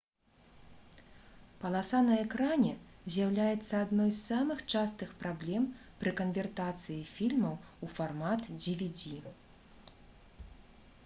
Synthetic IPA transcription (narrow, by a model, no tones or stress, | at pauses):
pɐlˠasanɐɛkɾanʲɛzʲjawlʲajɛt̪sːɐad̪nɔjssamɨxt͡ʂast̪ɨxpɾablʲɛmpɾɨkɐnvʲɛrt̪at̪sɨjifʲilʲmɐwufarmat̪d͡zʲivʲid͡zʲi